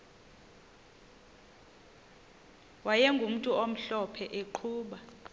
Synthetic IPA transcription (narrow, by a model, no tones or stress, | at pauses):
wajɛŋɡʱum̩tʼuom̩ɬɔpʰɛʔeǃʰuːɓa